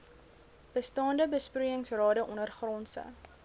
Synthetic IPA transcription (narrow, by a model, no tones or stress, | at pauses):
b̥əstɑːndəbəspruəəŋsrɑːdəʔɔnərχrɔnsə̰